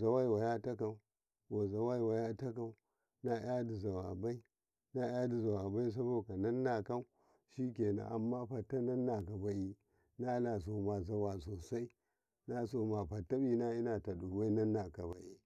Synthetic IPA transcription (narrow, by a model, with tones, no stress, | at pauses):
za˨wa˦i˨wa˨ja˦ta˦ka˨u˨˦ | wa˨za˨wa˦i˨wa˨ja˦ta˦ka˨u˦ | na˦ʔja˦di˨za˨wa̰˨ba˦i˦ | na˦ja˦di˨za˨wa˨ba˦i˦s̬a˦bo˦ka˨na˦nːa˨ka˦u˦ | ʃi˦ke˨na̰˨ʔa˨mːa˦ɸa˨tːa˦na˦nːa˨ka˨ba˨i˦ | na˦la˨s̬o˨ma˨za˨wa˨so˨sa˦i˦ | na˦so˨ma˨ɸa˨tːa˦bi˦na˦i˦na˨ta˨ɗo˨ba˦i˦na˦nːa˨ka˨ba̰˨ʔḭ˨